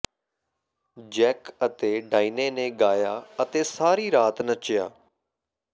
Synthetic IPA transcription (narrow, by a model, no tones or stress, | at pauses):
d͡ʒɛːkət̪eːɖaːiːneːnẽːɡaːjaːət̪eːsaːɾiːɾaːt̪nət͡ʃja̰ː